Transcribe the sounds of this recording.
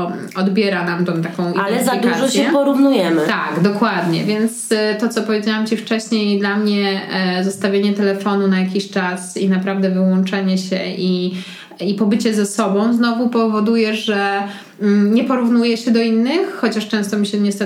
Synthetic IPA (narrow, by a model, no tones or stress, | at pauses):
ɔd̪bʲjɛɾanamt̪ɛ̃w̃t̪akɔ̃w̃idalɛzaik̪aʒɔɕjɛɛpɔɾuvnujɛmɘt̪a̰ɡd̪ɔkwad̪ɲɛ̰vʲjɛnt̪st̪ɔt̪sɔpɔvʲjed͡ʑawamt͡ɕift͡ʂɛɕɲejd̪lamɲɛzɔst̪avʲjeɲɛt̪ɛlɛfɔnunajakʲiɕt͡ʂasinapɾavd̪ɛvɘwɔnt͡ʂɛɲɛɕɛʔi | ipɔbɘt͡ɕɛzɛsɔbɔ̃w̃znɔvupɔvɔd̪ujɛʐʐɛ | ɲɛpɔɾuvnujɛɕɛd̪ɔinːɘxxɔt͡ɕaʂt͡ʂɛ̃w̃st̪ɔmʲiɕɛɲɛst̪ɛ